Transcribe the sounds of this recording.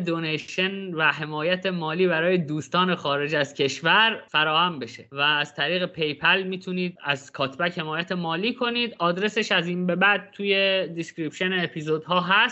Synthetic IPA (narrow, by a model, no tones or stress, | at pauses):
d̪oneʃenvæɦe̞mɒːjæt̪ʰe̞mɒːliːbæɾɒːje̞d̪uːst̪ɒːne̞xɒːɾe̞d͡ʒæzcʰe̞ʃvæɾfæɾɒːhæmbe̞ʃe̞væːz̥t̪ʰæɾiːɣe̞pʰe̞jpʰælmiːt̪ʰuniːd̪̚æ̰zkʰɒːt̪ʰbæche̞mɒːjæt̪ʰemɒːliːkʰo̞niːd̪ɒːd̪ɾe̞se̞ʃæziːnbe̞bæʔd̪̚t̪ʰuːje̞d̪iscɾipʃe̞neːpʰiːzo̞d̪ɦɒːɦæst̪